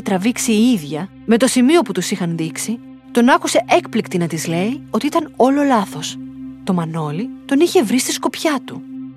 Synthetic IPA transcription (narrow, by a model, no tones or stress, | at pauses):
et̪ɾɐviksiiðʝɐ | me̞t̪o̞simio̞put̪usixɐnðiksi | t̪o̞nɐkuse̞ʔe̞kplikt̪inɐt̪izle̞io̞t̪iit̪ɐno̞lo̞lɐθo̞st̪o̞mɐno̞lit̪o̞niçe̞vɾist̪isko̞pçɐt̪u